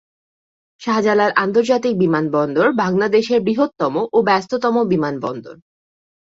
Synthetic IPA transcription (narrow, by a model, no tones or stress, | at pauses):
ʃad͡ʑalaɾʔant̪oɾd͡ʑat̪ik̚bimanbɔnd̪oɾbʱaŋlad̪eʃeɾbɾiɦot̪ːɔmoʔobɛst̪ot̪ɔmobimanbɔ̰nd̪o̰ɾ